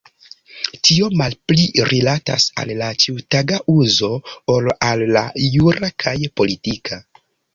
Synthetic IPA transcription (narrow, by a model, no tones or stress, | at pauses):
tʰio̞malpliɾʔilata̰sa̰lːat͡ʃiutaɡaʔuzo̞olalːajuɾakʰajpo̞litikʰa